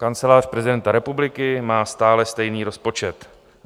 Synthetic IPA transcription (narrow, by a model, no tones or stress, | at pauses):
kant͡sɛlaːr̥pɾɛzɪdɛnt̪aɾɛpublɪkɪmaːst̪aːlɛst̪ɛjniːɾo̞spo̞t͡ʃɛt̪